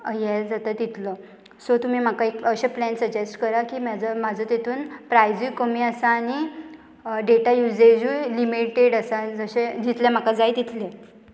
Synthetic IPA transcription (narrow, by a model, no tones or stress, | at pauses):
jɛld͡zat̪at̪it̪lə | sot̪um̤iːm̤akaekəɕeplɛnsəd͡ʑesʈkəɾakiːmad͡zəmad͡zʱət̪et̪ʰuːnpɾajd͡zujkəmiasaːñi | ɖeʈajud͡zed͡ʑujlimiʈeɽasad͡zəɕed͡ʑit̪ljam̤akad͡zajt̪it̪ʰle